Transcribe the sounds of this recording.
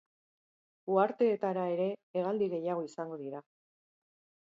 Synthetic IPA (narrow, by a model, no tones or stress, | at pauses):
uaɾt̪e̞ːt̪aɾae̞ɾe̞ːɣ̞ald̪iɣe̞jaɣ̞o̞isaŋɡo̞ðiɾa